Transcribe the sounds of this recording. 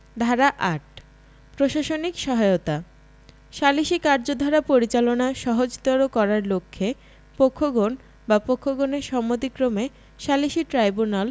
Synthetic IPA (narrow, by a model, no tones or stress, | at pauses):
d̪ʱaɾaʔaʈ | pɾoʃaʃonikʃɔɦaeot̪a | ʃaliʃikaɾd͡ʑod̪ʱaɾapoɾit͡ɕalonaʃɔɦod͡ʑt̪ɔɾokɔɾaɾlokʰːe | pokʰːoɡon | bapokʰːoɡoneɾʃɔmːod̪ikɾome | ʃaliʃiʈɾajbunal